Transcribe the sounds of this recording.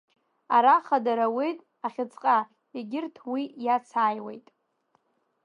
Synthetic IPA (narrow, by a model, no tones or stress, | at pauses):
aɾaχadaɾawejtʼ | aχʲɪt͡sʰʼqʼa | eɡʲɪrtʰwijat͡sʰaːjwḛjtʼ